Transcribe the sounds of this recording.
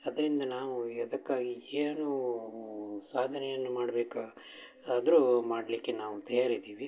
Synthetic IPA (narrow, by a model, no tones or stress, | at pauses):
ɐd̪ɐɾind̪ɐnaːʋuɐd̪ɐkːaːɡieːnu | saːd̪ʱɐnɛjɐnːumaːɽɐbeːka | aːd̪ɐɾumaːɽlikːe̞naːʋut̪ɐjaɾid̪iːʋi